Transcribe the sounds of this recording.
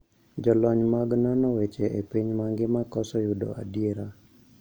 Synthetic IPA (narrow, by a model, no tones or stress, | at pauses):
d͡ʒɔlɔɲmaɡnɔnɔwet͡ʃeʔepiɲmaŋɡɪmakɔsɔjʊdɔ̰a̰djeɾa